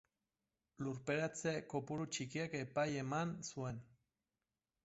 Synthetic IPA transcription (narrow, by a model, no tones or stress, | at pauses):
luɾpeɾat͡sekopuɾut͡ʃikiakepajemansuen